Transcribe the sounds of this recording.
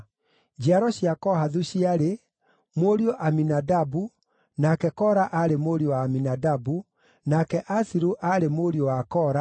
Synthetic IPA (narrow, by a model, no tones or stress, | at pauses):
d͡ʑiaɾɔɕiakɔhaðuɕiaɾe | moɾioʔaminadabu | nakɛkɔɾaʔaɾemoɾiowaːminadabu | nakɛʔasiɾuʔaɾemoɾiowakɔɾa